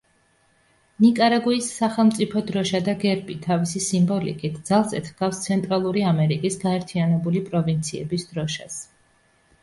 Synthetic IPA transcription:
nikʼaɾaɡuisːaχɛlˠmt̪sʼipʰɔd̪ɾɔʃad̪aɡɛɾbit̪ʰavisisimbɔlḭkʼit̪ʰd̪zalˠsɛ̰t̪ʰɡ̥afst̪sʰɛnt̪ʼɾalˠuɾiamɛɾikʼisɡaɛɾt̪ʰianɛbulipʼɾɔvint̪sʰiɛ̰bisd̪̥ɾɔʃas

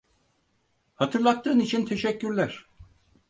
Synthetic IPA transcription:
hat̪ʰɯɾlˠat̪ːɯːnit͡ʃʰint̪ʰe̞ʃɛcːyɾlʲæɾ̥

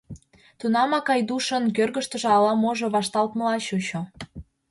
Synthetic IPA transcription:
t̪unɑmɑkɑjd̪uʃə̆nkørɣəʃt̪ə̆ʒĕɑlɑmoʒŏβɑʃt̪ɑlt̪mə̆lɑɕut͡ɕo

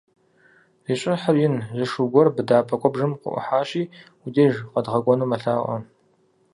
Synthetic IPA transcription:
ziɕʼɪħərjɪnzɨʂuɡʷɔrbɨdaːpʰʼɐkʷʼɔbʒɨmqə̰ʔʷʊ̰ħaːɕiː | ʊdiʒqɐdʁɐɡʷɔnuːmɐɬaːʔʷʼɐ̰

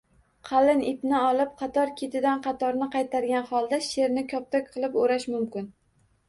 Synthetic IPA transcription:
qʰɑlɪnɪpnɪɒlˠɪp̚qʰɑt̪ʰɒɾkʲʰet̪ʰɪd̪anqʰɑt̪ʰɒɾnɪqʰɑjt̪ʰaɾɡʲanχɒlˠd̪aʃe̞ɾnɪkʲʰɒp̚t̪ʰɒkʲqʰɨlˠɪpoɾaʃmʊmkʲɪn

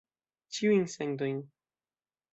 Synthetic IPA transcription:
t͡ʃiwiŋsɛ̃ŋd̪õjn

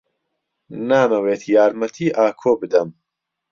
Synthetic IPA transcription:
naːmɐweːt̪ʰjaːɾmɐt̪ʰiːʔaːkʰoːbɨd̪ɐm

